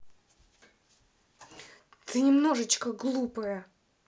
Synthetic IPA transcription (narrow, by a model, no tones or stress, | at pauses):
t̪ɨnʲɪmno̞ʐɨt͡ɕkəɡlˠupəjə